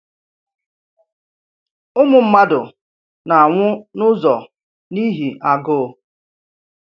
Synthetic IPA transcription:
ʊ˦mʊ˨m̩˦ma˦dʊ˨ | na˨a˨ŋʷʊ˦nʊ˦zɔ˨ | ni˦ɦi˨ʔa˨ɡo˦˨

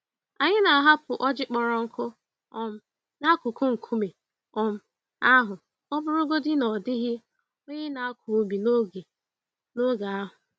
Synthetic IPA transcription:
a˨ɲɪ˦na˨a˨ɦa˦pʊ˨ʔɔ˦d͡ʒɪ˦k͡pɔ˨ɾɔ˨ŋ̩˦kʰʊ˦ | ɔ˨m̩˦ | na˦kʊ˨kʰʊ˦ŋ̩˨kʰu˦me˨ | ɔ˨m̩˦ | a˦ɦʊ˨ | ɔ˦bʊ˦ɾʊ˦ɡo˦dɪ˦nɔ˨dɪ˦ɦɪ˦ | o˦ɲe˦na˨a˦kʰʊ˨o˨bi˨n˦ɡe˨ | no˦ɡa˨a˦ɦʊ˨

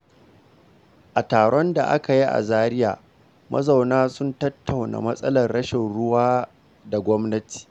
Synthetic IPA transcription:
ʔa˨taː˨ɽɔ˦nda˨ʔa̰˦ka˨ji˦ʔa̰˨zaː˦ɾɪ˦ja̰ː˨ | mʔɐ̰˦zɐ˨wnaː˦sʊ˦ntɐ˦tːa˨wna̰ː˨mɐ˦sʼɐ̰˦lɐ˨rɽɐ˦ʃɪ˨nɽʊ˦waː˦ | da˨ɡʷɔ˦mnɐ˦ti̥ː˨

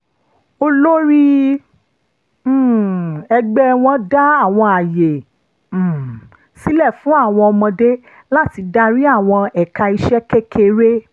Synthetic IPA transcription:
o˧lo˦ɾi˦˨ | ɛ˧ɡ͡bɛ˦w̃ɔ̃˦da˦a˦˨w̃ɔ̃˧a˨je˨˦˨ | si˨˦lɛ˦˨fũ˨˦a˦˨w̃ɔ̃˧ɔ˧mɔ̃˧de˦ | la˦ti˧da˦ɾi˦a˦˨w̃ɔ̃˧ɛ˨ka˧i˧ʃɛ˦ke˦ke˦ɾe˦

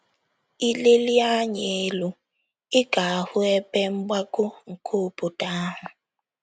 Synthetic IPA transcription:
i˦le˦li˦a˦ɲee˨˦lu˨ | ɪ˦ɡa˨hʊ˦e˦pɛ˦m̩˦bwa˦kʊ˦ŋ̩˨kʰoː˦˨pʊ˨ta˦ɦʊ˨

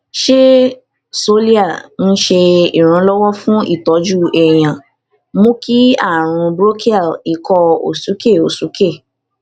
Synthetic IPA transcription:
ʃe˦ | so˦li˦a˦˨n̩˦ʃe˧ḭ˨ɾ̃ũ˧˦lɔ˦wɔ˦fũ˦ḭ˦˨tɔ˨˦d͡ʒu˦ɛ˨j̃ã˨ | mõ˦ki˦a˦˨ɾ̃ũ˧bɾo˦ki˦a˦˨i˨˦kɔ˧o̰˨su˨˦ke˦˨o˨su˨˦ke˦˨

